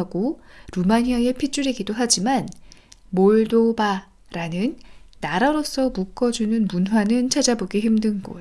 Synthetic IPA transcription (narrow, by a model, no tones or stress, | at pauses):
ɡoɾumaɲiaepʰit͡ɕ͈uɾiɡidoɦad͡ʑimanmoɭdoba | ɾanɯnːaɾaɾos͈ʰʌmuk͈ʰʌd͡ʑunɯnmunɦwanɯnt͡ɕʰad͡ʑaboɡiçimdɯnɡo̰